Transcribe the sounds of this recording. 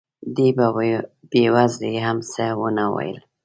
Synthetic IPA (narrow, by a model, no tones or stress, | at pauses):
d̪ibabewazleɦamsewənawa̰jə̰l